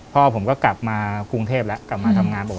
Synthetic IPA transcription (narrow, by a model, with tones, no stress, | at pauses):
pʰɔː˥˩pʰo˩˦mkɔː˥˩kla˨˩p̚maː˧ku˧ŋt̪ʰeː˥˩p̚lɛ˦˥ʔkla˨˩p̚maː˧t̪ʰa˧mŋaː˧nbɔː˨˩